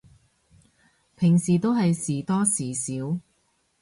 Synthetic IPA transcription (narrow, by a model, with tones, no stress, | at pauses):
pʰɪ˨˩ŋsiː˨˩t̪o˥wɦɐ˨jsiː˨˩t̪ɔː˥siː˨˩siː˨˥w